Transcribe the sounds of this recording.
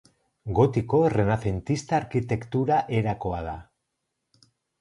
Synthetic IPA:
ɡo̞t̪iko̞re̞naθe̞nt̪ist̪aːɾkit̪e̞kt̪uɾaʔe̞ɾako̞aða̰

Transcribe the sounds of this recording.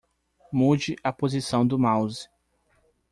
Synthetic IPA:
mud͡ʒɪʔɐpozisɐ̃w̃d̪ʊmawzi̥

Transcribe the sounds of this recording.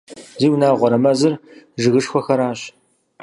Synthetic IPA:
ziːwnaːʁʷɔɾɐmɐzɨrʒɨɣɨʂxʷɔxɐɾaːɕ

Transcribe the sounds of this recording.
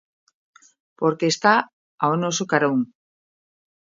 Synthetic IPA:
poɾkeːst̪a | aonosokaɾouŋ

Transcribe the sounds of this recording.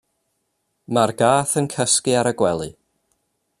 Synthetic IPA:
marɡaːθənkʰəskiaɾəɡwɛlˠɨ̰

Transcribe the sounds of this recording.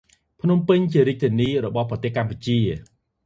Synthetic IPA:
pʰnumpɨɲt͡ɕiəɾiəc̚t̪ʰiəniːrɔɓɑhprɑt̪eːhkamput͡ɕiə

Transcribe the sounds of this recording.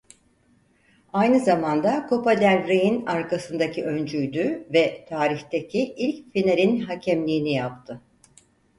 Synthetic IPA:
ajnɯzamand̪akʰo̞pad̪ælɾejinaɾkasɯnd̪acʰiʔø̞nd͡ʒyjd̪yvɛt̪ʰaːɾiçt̪ecʰiʔilʲcfineɾinɦacʰɛmlʲiːnijap̚t̪ʰɯ

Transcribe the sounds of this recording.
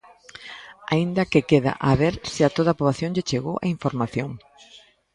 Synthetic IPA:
aind̪ɐkɪkeða̰ʔaβeɾsɪat̪oð̞ɐaːpɾoβaθjoŋʎet͡ʃeɣo̰wʔa̰iɱfoɾmaθjoŋ

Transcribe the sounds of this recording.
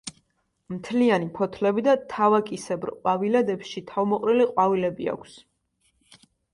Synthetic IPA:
mt̪ʰlianipʰɔt̪ʰlɛbid̪at̪ʰavakʼisɛbɾqʼwavilɛd̪ɛpʃit̪ʰavmɔqʼɾiliqʼwavilɛbia̰kʷʰs

